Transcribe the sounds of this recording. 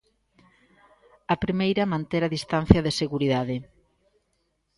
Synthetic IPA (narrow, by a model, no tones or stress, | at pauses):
ɐpɾimejɾɐmãnt̪eɾaðist̪an̟θjɐðeseɣuɾiðaðɪ